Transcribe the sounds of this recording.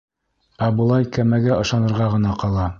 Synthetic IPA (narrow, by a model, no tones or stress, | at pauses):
æbɤ̆lˠɑjkæmæɡæʔɤ̆ʃɑnɤ̆ɾʁɑʁɤ̆nɑqɑlˠɑ